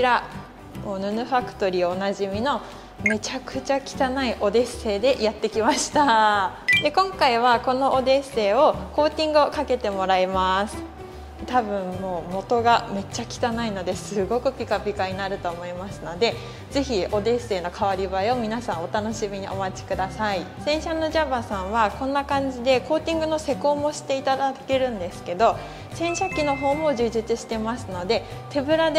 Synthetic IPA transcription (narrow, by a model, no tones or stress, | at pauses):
iɾa | moːnɯ̟nɯ̟ɸakɯ̟̥t̪o̞ɾʲioːnaʑimʲino̞ | me̞t͡ɕakɯ̟t͡ɕakʲi̥t̪anaiʔo̞d̪e̞se̞ːd̪e̞jat̪ːe̞kʲimaɕi̥t̪a | d̪e̞kõ̞ŋkaiβ̞ako̞no̞ʔod̪e̞se̞ːo̞ko̞ːt̪ʲĩŋɡɯ̟okake̞t̪e̞mo̞ɾaimasɨ̥ | t̪abɯ̟̃ɴmo̞ːmo̞t̪o̞ɡame̞t͡ɕːakʲi̥t̪anaino̞d̪e̞sɨɡo̞kɯ̟pʲikapʲikaɲ̟inaɾɯ̟t̪o̞ːmo̞imasɨno̞d̪e̞ | d͡ze̞çiʔo̞d̪e̞se̞ːno̞kaβaɾʲibaeo̞mʲinasãɰ̃o̞t̪ano̞ɕimʲiɲ̟iʔo̞̰mat͡ɕi̥kɯ̟d̪asaisẽ̞ɰ̃ɕanːo̞ʑabasãɰ̃βakõ̞nːakãɲ̟d͡ʑid̪e̞ko̞ːt̪ʲĩŋɡɯ̟no̞se̞ko̞ːmo̞ɕi̥t̪e̞it̪ad̪ake̞ɾɯ̟̃nd̪e̞sɨ̥ke̞d̪o̞ | sẽ̞ɰ̃ɕakʲːino̞ɦo̞ːmo̞ʑɨːʑit͡sɨɕi̥t̪e̞masɨno̞d̪e̞ | t̪e̞bɯ̟ɾad̪